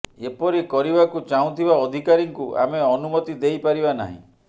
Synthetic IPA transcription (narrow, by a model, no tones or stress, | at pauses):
epɔɾikɔɾibakut͡ʃaũt̪ʰibaɔd̪ʱikaɾiŋkuʔa̰meɔnumɔt̪id̪ejpaɾibana̰ɦḭ̃